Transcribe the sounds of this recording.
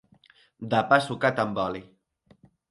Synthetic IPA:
d̪apasukat̪ambɔli

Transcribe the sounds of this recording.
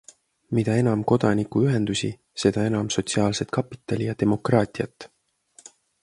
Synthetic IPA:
mid̪ɑe̞nɑmko̞d̪̥ɑnikuyɦe̞nd̪̥usʲi | se̞d̪̥ɑe̞nɑmso̞t̪siɑːlse̞t̪̚kɑpːˑit̪ːˑɑlʲijɑd̪e̞mo̞krɑːt̪ʲˑiɑt̪ːˑ

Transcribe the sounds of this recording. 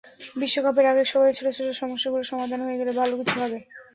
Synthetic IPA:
biʃːokapeɾaɡeɾʃɔbʱaet͡ɕʰolet͡ɕʰoloʃɔmoʃːaɡuloʃɔmad̪ʱanɦojeɡelebʱalokit͡ɕʰubʱabe

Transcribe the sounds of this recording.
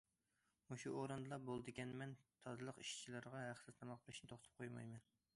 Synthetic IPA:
muʃuʔoɾɨnd̪lˠɑbolˠd̪ɨɡʲɛnmɛnt̪ʰɑzɨlˠəqiʃt͡ʃʰilɨɾʁɑɦæχt̪ɨzt̪ʰɑmɑq̚bɨɾɪʃnɪt̪ʰoχt̪ʰɨ̥p̚qʰojmɑ̰jmɛn

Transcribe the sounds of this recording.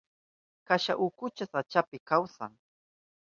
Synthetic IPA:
kaʃa̰ʔʊkʊt͡ʃasat͡ʃapɪkawsa̰ŋ

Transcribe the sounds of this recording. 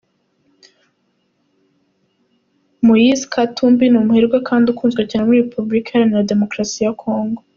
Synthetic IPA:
mujizkʰatumbinumuheɾɡwakʰaːndukuːnzɡwacanamuɾiɾepublikehaɾaniɾade̞mo̞kɾasijakʰo̞ːŋɡo

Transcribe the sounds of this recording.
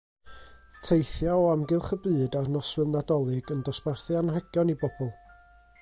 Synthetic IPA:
tʰejθjaɔamɡɨlˠχəbɨːdarnɔsvɨlˠnadɔlˠɪɡəndɔsparθjanhɛɡ̥jɔnibɔb̥ɔlˠ

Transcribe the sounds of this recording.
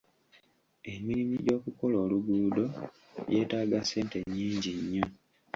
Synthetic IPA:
e̞miɾimiɟo̞ːkuko̞loːluɡuːdo̞ | je̞ːtaːɡase̞ːnte̞ɲːiːɲɟiɲːo

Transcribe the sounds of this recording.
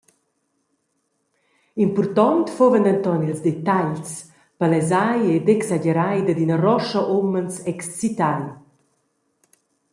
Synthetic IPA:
impurt̪ɔnt̪fovənd̪ant̪ɔnilzd̪ɛt̪aʎs | palɛzajed̪ɛksaɟɛɾajd̪əd̪inərɔʃəʔumənsɛkst͡sit̪aj

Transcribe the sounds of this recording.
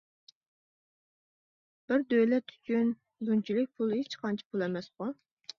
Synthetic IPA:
b̥ɪɾd̪ølɛt̪ʰːy̥t͡ʃʰʲyn | d̪unt͡ʃʰilɪk̚ʲpʰulˠhet͡ʃqʰɑnt͡ʃʰi̥pʰulˠɛmɛsχʊ

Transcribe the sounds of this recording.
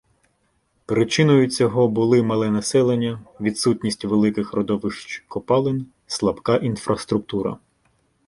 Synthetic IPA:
pɾɪt͡ʃɪnɔjʊt͡sʲɔɦɔbʊlˠɪmɐlˠɛnɐsɛlˠenʲːɐʋʲid̪sutʲnʲisʲtʲʋelˠɪkɪxrɔd̪ɔʋɪʃt͡ʃkɔpɑlˠɪnʲ | slˠɐbkɑʔinfɾɐst̪ɾʊk̚t̪uɾɐ̰

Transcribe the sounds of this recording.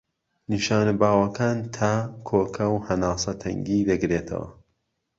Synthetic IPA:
niʃaːnabaːwɐkʰaːnt̪ʰaːkʰoːkʰɐwhɐnaːsˤɐt̪ʰɐ̰ŋɡiːd̪ɐɡɾeːt̪ʰɐ̰wɐ̰

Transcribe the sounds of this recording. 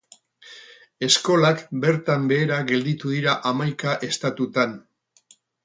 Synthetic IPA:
e̞sko̞lakbe̞ɾt̪ambe̞ːɾaɣe̞ld̪it̪uðiɾaʔamajkaʔe̞st̪at̪ut̪an

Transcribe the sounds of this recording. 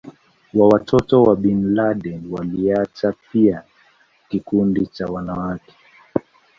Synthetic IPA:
wawatʰɔtɔwaɓinlaɗɛnwaliatapia | kikundit͡ʃawanawakɛ̥

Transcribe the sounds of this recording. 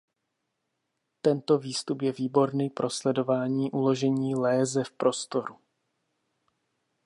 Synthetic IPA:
t̪ɛnt̪o̞viːst̪upjɛviːbo̞ɾniːpɾo̞slɛdo̞vaːɲiːʔulo̞ʒɛɲiːlɛːzɛfpɾo̞st̪o̞ɾu

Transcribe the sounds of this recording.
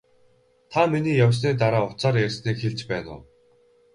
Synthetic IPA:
t̪ʰaminiːjawʲs̬niːt̪̬aɾaːʊt͡saːɾersniːkxeɮt͡ɕpæːnʊ̰ː

